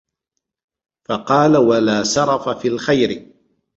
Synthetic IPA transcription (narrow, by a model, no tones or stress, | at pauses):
fɑqɑːlawalaːsɑɾˤɑfafiːlxajɾɪ